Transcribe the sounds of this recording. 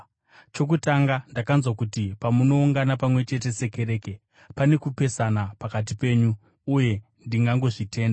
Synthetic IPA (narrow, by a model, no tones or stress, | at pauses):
t͡ʃo̞k̬utaŋɡandakanzwakutipamuno̞uŋɡanapamwe̞t͡ʃe̞t̬e̞se̞ke̞ɾe̞ːke̞ | pane̞kupe̞sanapakat̬ipe̞ːɲuː | je̞ | ndiŋɡaŋɡo̞ʐite̞ːnda